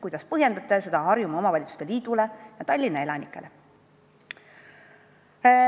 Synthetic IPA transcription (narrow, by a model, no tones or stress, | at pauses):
kujd̪̥ɑspɤɦje̞nd̪̥ɑt̪ˑːɑse̞d̪ɑɦɑrjumɑo̞mɑvɑlʲit̪su̥st̪e̞liːd̪̥ulejɑt̪ɑlʲːinɑe̞lɑnikˑːe̞le̞